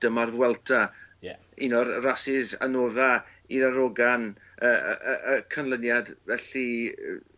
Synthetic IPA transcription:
d̥əmarðwɛlˠtʰa | inɔrrasɪza̰noːða | iðaɾoɡan | əəʔəʔəkʰanlˠənjadvɛɬi

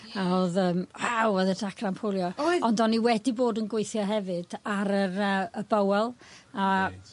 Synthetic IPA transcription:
aoðəːmwawɔðədakʰrampʰolˠjɔɔndɔniwɛdiboːdənɡweɨθjɔɦɛvɨd̥aɾərəəbəwɛlˠa

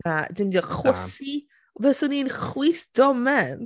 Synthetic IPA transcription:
adɪmdiɔχwəsi | bɛsʊninχwiːsd̥ɔmɛn

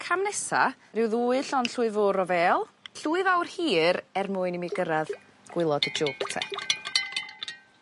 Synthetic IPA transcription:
kʰamnɛsa̰ | rɪwðuːɨɬɔnɬuɨvʊɾɔvɛːlˠɬuːɨvawrhiːɾɛrmʊːɨnimiɡəɾað | ɡ̥wɪlˠɔdəd͡ʒoːktʰɛ̰

